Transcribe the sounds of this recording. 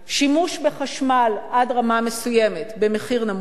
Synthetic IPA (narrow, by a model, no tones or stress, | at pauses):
ʃimuʃbe̞χaʃmalʔadʁamame̞sujemetbe̞meχiʁnam